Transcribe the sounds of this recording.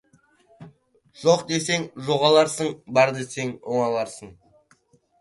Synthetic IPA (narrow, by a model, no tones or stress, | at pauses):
ʒ̥oqd̪e̞se̞ŋʒoʁɑlˠɑɾsəɴbɑɾd̪e̞se̞ŋoɴɑlˠɑɾsəɴ